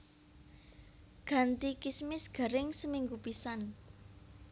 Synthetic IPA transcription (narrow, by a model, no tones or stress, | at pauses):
ɡ̥ä̤nt̪ikismɪsɡ̥a̤ɾɪŋsəmiŋɡupisan